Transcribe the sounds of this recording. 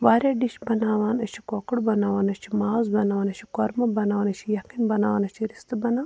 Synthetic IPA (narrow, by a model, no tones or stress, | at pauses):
ʋaːɾʲaːɖiʃbɐnaːʋaːnɐt͡ʃʰi̥kokɐɽbɐnaːʋaːnɐt͡ʃʰimaːzbɐnaːʋaːnɐt͡ʃʰi̥koɾmɐbɐnaːʋaːnɐt͡ʃʰijɐkinbɐna̰ːʋaːnɐt͡ʃʰiɾist̪ɨbɐnaː